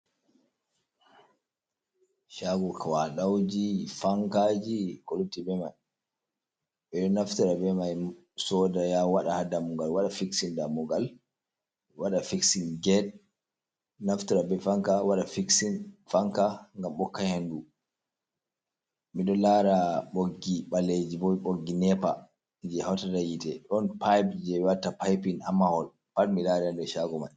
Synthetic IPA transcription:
ʃaɡɔkʰawaɗawd͡ʒifaŋkad͡ʒikolutːibɛmaj | ɓɛɗɔnaftiɾabɛmaj | sɔdajawaɗahadamuɡalwaɗafiksindamuɡal | waɗafiksinɡɛd̚ | naftuɾabɛfaŋkawaɗafiksinfaŋkaŋɡamɓɔkːahendu | miɗɔlaɾaɓoɡːiɓaled͡ʒibɔɓoɡːinɛpa | d͡ʒɛhawtadajitɛɗɔnpajbd͡ʒɛwatːapajpinamahɔl | palmilaɾaandɔʃaɡɔmaj

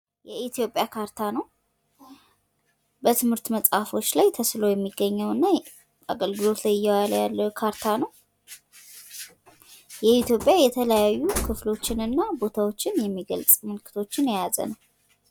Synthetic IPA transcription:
jɛʔit̪ʰjo̞pʼjakʰaɾt̪ʰanəw | bət̪ʰɨmhɨɾt̪məsʼhafo̞t͡ʃːlajt̪ʰəslo̞jɛmːiɡːəɲːəwɨnːa | a̰ɡəlɡɨlo̞t̪lajɪjːɛwaləjalːəkʰaɾt̪ʰanəw | jɛit̪jo̞pʼjajɛt̪ʰələjjajːukʰɨflo̞t͡ʃːɪnɨnːabo̞t̪ʰawo̞t͡ʃːɪnjɛmːiɡəlt͡sʼmɨlkʰɨ̥t̪ʰo̞t͡ʃːɪnjejazə̰nəw

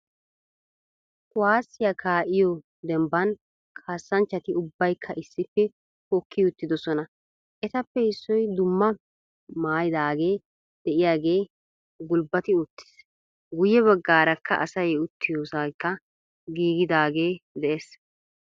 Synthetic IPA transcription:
kʊwaːsːɪjɐkʰaːʔɪjɔ | d̪ɛmbɐn | kʰaːsːɐnt͡ʃːɐt̪ɪʊbːɐjkʰːɐʔɪsːɪpːɛ | hɔkʰːɪʊt̪ːɪd̪ɔsɔnɐ | ʔɛt̪ɐpːɛhɪsːɔjd̪ʊmːɐ | maːjɪd̪aːɡe̞ː | d̪̥ɛʔɪjaːɡe̞ː | ɡʊlbɐt̪ɪʊt̪ːɪ̥s | ɡʊjːɛβɐɡːaːɾɐkːɐ̰ʔɐ̰sɐjʊt̪ʰːɪjoːsakːɐ | ɡiːɡɪd̪aːɡe̞ːd̪ɛʔes

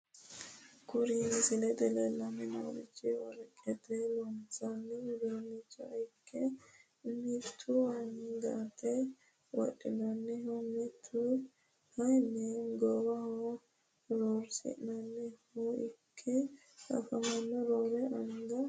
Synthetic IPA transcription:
kʊɾinsɪlɛd̪ɛlɛlːɐnːɛno̰ɾɪt͡ʃːɪwɔ̰ɾɛkʼːɛt̪ɛlɔnt͡sanːɛd̪oːnːɪt͡ʃːɔɐjkʰːɛ | mit̪ʰːuwɐnɡɐt̪ːɛ | wɔ̰ɗɪnɐnːɛhumit̪ʰːu | hɐjnːɛɡowɐho | ɾoːɾsɪ̰ʔnɐnːɛhuɪkʰːɛ | ɐ̰fɐmɐnːɔɾoːɾɛʔɐŋɡɐ

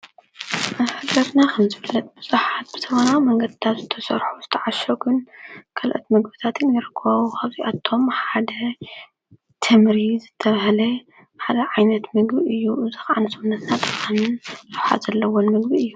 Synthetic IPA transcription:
ʔafɨɡɐɾnakʰɐmzɨfɨlːɐt̪ʼbɨzʼuħat̪̚b̥ɨ̥t̪ʰɐβɐnawmɐŋɡɐd̪ɨt̪ʰat̪zɨt̪ʰɐsɐ̰ɾħuzɨt̪ʰɐʕaʃoɡɨnkʰɐlʔo̰t̪mɨɡbɨt̪ʰat̪ɨnjɐɾɨkʰːɐβaβukʰaβziʔat̪ʰːo̞mħad̪ɐ | t̪ʰɨmɾizɨt̪ʰːɐβaɦlɐ | ħad̪ɐʕajnɐt̪mɨɡbiʔɨjːuʔɨzɨxʕanɨsɨmunɐt̪nat̪kʼanɨnlɨħa̰z̥ɐlːɐwonmɨɡbiɨjːu

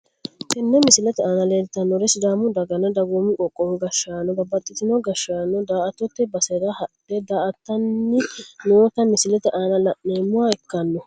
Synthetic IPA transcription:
kɛnːɛmɪsɪlɛt̪ɛaːnɐleːlt̪ːɐnːɔɾɛsɪd̪aːmʊd̪ɐɡɐnɐd̪ɐɡoːmɪkʼɔkʼːɔwɔɡɐʃːaːnːɔbɐbɐt̪ʼːɪt̪ɪnɔɡɐʃaːnːɔd̪aːʔɐt̪ːɔt̪ːɛbɐsɛɾɐhɐᶑɛd̪aːʔɐt̪ːɐnːɪnoːt̪ɐmɪsɪlɛt̪ɛʔaːnɐlɐʔːeːmːʊwaɛkːɐnːɔ

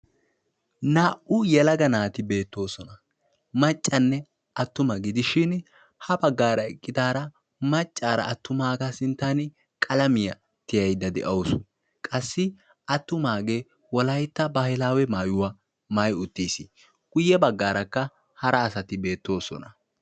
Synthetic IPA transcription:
naːʔʊjɛlɐɡɐnaːt̪ɪbe̞ːt̪ːo̞ːsɔnɐ | mɐt͡ʃʼːɐnːɛ | ʔɐt̪ːʊmɐɡɪd̪ɪʃɪn | hɐbɐɡːaːɾɐɛkʼːɪd̪aːɾɐ | mɐt͡ʃʼːaːɾɐ̰ːt̪ːʊmaːɡɐsɪnt̪ːanɪ | kʼɐlɐmɪjɐ | t̪ɪjɐjd̪ɐd̪ɛ̰ʔɐwsʊ̥ | kʼɐsːɪ | ɐt̪ːʊmaːɡeː | wɔlɐjt̪ːɐbɐhɪlaːwɛmaːjʊwa | mɐjʊt̪ːiːsɪ | ɡ̥ʊjːɛbɐɡːaːɾɐkːɐ | hɐɾɐːsɐt̪ɪbe̞ːt̪ːo̞ːsɔ̰nɐ

